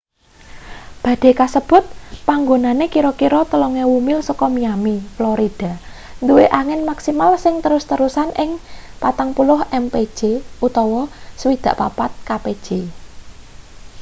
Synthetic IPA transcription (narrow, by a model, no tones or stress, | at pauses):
b̥ä̤d̪̥e̤kasəb̥ʊ̤t̪̚paŋɡonanekiɾɔkiɾɔt̪əlɔŋewumɪlsɔkɔmiamiflɔɾid̥a̤ | nd̪uweʔaŋɪnmaksimalsɪŋt̪əɾʊst̪əɾusanʔɪŋpat̪aŋpulʊhɛmpe̥d͡ʒʒ̥eut̪ɔwɔsəwid̪̥ä̤ʔpapat̪̚kaped̥ʒ̥e